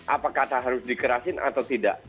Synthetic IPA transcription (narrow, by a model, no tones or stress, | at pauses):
ʔapakat̪aɦaɾʊsdikəɾasɪnʔa̰t̪awt̪ida̰ʔ